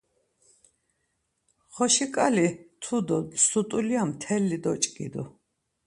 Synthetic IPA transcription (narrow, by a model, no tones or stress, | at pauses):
χɔʃikʼalit̪ʰud̪ɔsut̪ʼuliamt̪ʰɛlːid̪ɔt͡ʃʼkʼḭd̪u